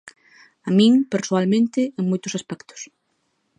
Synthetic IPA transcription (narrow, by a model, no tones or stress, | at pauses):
amĩŋpeɾsoalmẽnt̪eeŋmojt̪ʊsaspɛkt̪ʊ̥s